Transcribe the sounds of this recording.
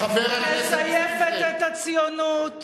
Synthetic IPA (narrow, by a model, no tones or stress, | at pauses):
mesajefet̪et̪at͡sjonut̪